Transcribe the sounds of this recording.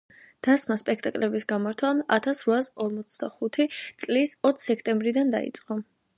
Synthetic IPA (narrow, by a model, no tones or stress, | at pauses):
d̪̥asmaspʼɛk̚ʰt̪ʼakʼlɛbisɡamaɾt̪ʰwaa̰t̪ʰasɾvasɔɾmɔt̪sʰd̪aχut̪ʰit̪sʼlisɔt̪ʰsɛkʰt̪ʼɛmbɾid̪and̪a̰ḭt̪sʼqʼɔ